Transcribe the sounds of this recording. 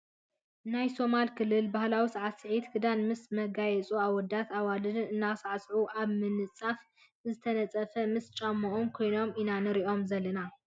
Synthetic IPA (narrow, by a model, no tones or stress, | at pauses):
najso̞malkʰɨlːɨlbahlawisaʕat̪sɨʕit̪kʰɨd̪anmɨsmɐɡajɛt͡sʼuaβwɔd̪at̪aβalɨnnɨnːasaʕasʕuʔaβmɨnɨt͡sʼaf | zɨt̪ʰɐnɐt͡sʼɐfɐmɨst͡ʃʼamːɐʔomkʰo̞jno̞minanɨɾiʔo̞mzɐlːɐna